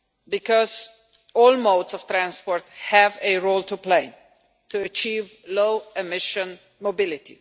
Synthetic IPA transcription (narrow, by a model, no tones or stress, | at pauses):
bɨkɔz | ɔlˠmoʊdsɔv̥t̪ɾæ̃nspɔɹthævɨɹoʊltʰupleɪ | tʰuət͡ʃivloʊɛmɪʃə̃n | mobɪlɪtḭ